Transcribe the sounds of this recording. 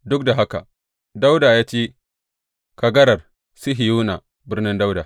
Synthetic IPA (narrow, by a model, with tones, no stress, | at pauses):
dʊ˦k̚da˨ɦa˦ka˨ | da˦wda˨jaː˦t͡ʃeː˦ | ka˨ɡɐ˦ɾɐ˨r | si˦ɦi˨juː˦na˨ | bɪ˦ɾnɪ˦nda˦wda˨